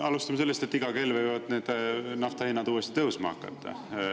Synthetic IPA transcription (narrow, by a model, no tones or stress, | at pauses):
ɑlust̪ɑmɑse̞lːest̪e̞t̪ːiɡ̥ɑke̞lvɨjjvɑd̪̥neːd̪̥nɑft̪ɑhinːɑd̪uːest̪i̥t̪ɤusmɑ̰ɑ̰kːɑ̰t̪ːɑ̰